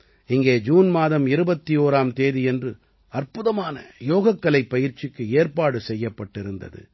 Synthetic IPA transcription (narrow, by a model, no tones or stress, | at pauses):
ɪŋɡeːd͡ʒuːnmaːðɐmɪɾɯbɐt̪ːioːɾaːmt̪eːðɪɛndrɯ | ɐrpʊðɐmaːnɐ̰joːɣɐkːɐlɐɪpːɐjɪɾt͡ʃɪkːɯeːrpaːɽɯsɛjːɐpːɐʈːɪɾɯnd̪ɐ̰ðɯ̰